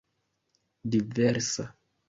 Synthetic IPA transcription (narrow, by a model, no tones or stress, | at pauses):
diveɾsa